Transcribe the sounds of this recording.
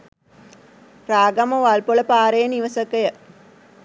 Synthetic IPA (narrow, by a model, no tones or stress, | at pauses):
ɾaːɡɐmɐʋalpoɭɐpaːɾɐjəniʋɐsɐkɐjə